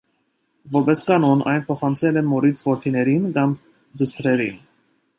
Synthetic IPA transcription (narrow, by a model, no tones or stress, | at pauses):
vɔɾbɛskɑnɔnʔɑ̰jnpʰɔχɑnt͡sʰɛlɛmɔɾit͡sʰvɔɾt̪ʰinɛɾinkɑm | d̪əst̪ɾɛɾin